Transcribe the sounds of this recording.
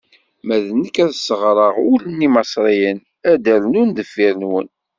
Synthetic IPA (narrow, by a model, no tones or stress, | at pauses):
mæðənəkːæðsəʁɾˤəʁʊlənːimɑsˤɾˤijən | æd̪æɾnund̪əfːiɾnwə̰n